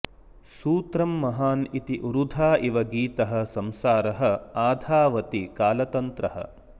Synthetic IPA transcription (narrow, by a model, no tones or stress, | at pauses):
suːt̪ɾɐmːɐɦaːnit̪iʔuɾud̪ʱaːʔiʋɐɡiːt̪ɐɦɐ̆sɐmsaːɾɐɦɐ̆aːd̪ʱaːʋɐt̪ikaːlɐt̪ɐnt̪ɾɐɦɐ̰